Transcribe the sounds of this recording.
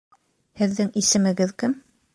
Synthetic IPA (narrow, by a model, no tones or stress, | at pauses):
hɘ̆ðːɘŋisɘ̆mɘ̆ɡɘðkɘm